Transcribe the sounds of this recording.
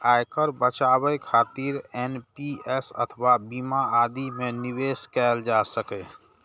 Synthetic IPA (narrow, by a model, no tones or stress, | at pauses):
aːjkəɾbət͡ʃawəjkʰaːt̪iɾɛnpiɛsə̰t̪ʰəwabimaad̪imẽniweːskɛːld͡ʒasəkɛ